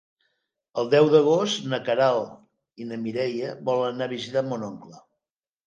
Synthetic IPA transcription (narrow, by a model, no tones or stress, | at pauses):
əlˠd̪ɛwðəɣ̞ost̪nəkəɾalˠ | inəmiɾɛjəβɔlənnaβizit̪amonɔŋklə